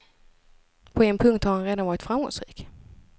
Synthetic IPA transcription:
pʰɔɛnpʰɵŋkt̪haɾhanɾeːd̪anvɑːɾɪt̪fɾamɡɔ̰ŋsɾḭːk

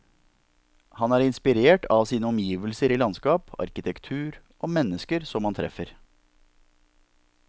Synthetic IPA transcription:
hɑnæːɾɪnspɪɾeːʈʰɑʋsiːnəɔmjiːʋəlsəɾiːlɑnskɑːpɑ̰ɾkɪt̪ʰɛkt̪ʰʉːɾ | ʔoːmɛnəskəɾsɔmhɑnt̪ʰɾɛ̰fəɾ

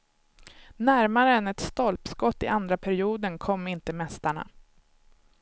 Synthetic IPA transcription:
næɾmaɾəɛnɛt̪st̪ɔlpskɔt̪ːɪ̰ʔand̪ɾapʰæɾɪuːd̪ənkʰɔmːɪnt̪əmɛst̪aɳa̰

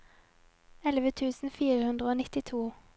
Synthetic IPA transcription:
ɛlʋət̪ʰʉːsn̩fiːʁəhʉnd̪ʁəoːnɪt̪ɪt̪ʰuː

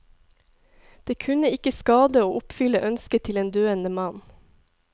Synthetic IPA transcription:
d̪̥eːkʰʉnəɪkəskɑːd̪əoːʔʊpfʏləʔœnskət̪ʰɪleːnd̪øːənəmɑn

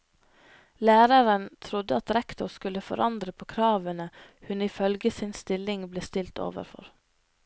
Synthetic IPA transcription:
læːɾəɾənt̪ʰɾʊd̪əɑt̪ɾɛkt̪ʊɾskʉləfɔ̰ɾʔɑnd̪ɾəpʰoːkʰɾɑːʋənəhʉnɪfœlɡəsɪnst̪ɪlɪŋbleːst̪ɪlt̪ʰo̰ːʋə̰ɾfɔ̰ɾ

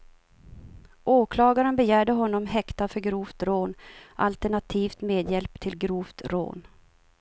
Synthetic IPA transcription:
ʔoːkʰlɑːɡaɾənbɛjæːɖəɦɔnːɔmɦɛkt̪afœɾɡɾuːft̪ɾoːnʔa̰lt̪ɛɳat̪ʰiːft̪meːd̪jɛlpt̪ʰɪlɡɾuːft̪ɾo̰ːn

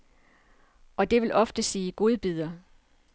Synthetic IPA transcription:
ʔɒ̽d̥e̝ʋe̝lʔɒ̽fd̥əsiːɡ̥o̝ːð̞ˠb̥ið̞ˠɐ

